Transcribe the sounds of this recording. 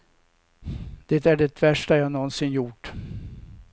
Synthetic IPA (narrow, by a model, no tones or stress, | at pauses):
d̪̥ɛt̪æɖɛt̪ʰvæʂʈaɾjɑːnɔnsɪnjʊʈː